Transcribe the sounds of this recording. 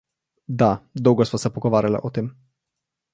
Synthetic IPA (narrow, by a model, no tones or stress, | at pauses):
d̪ad̪ɔwɡɔsʋɔsɛpɔɡɔʋaːɾʲjala̰ʔɔt̪eːm